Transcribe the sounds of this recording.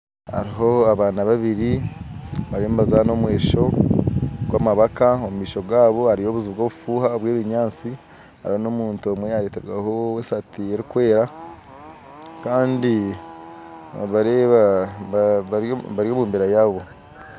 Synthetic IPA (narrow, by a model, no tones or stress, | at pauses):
ha̰ɾiɦo̞aβaːnaβaβiɾi | βaɾombazano̞mwe̞ːʃo̞ | ɡwamaβakaomumiːʃo̞βwaːβo̞haɾijo̞βuziβɡo̞ːβufuːhaβwe̞ːβiɲaːt͡si | ha̰ɾiho̞no̞muːntomwejaɾeːteɾwaho̞wesatie̞ɾikwe̞ːɾa | kaːndi | βaɾeβa | βaɾjoːmuːmbeɾajaːβo̞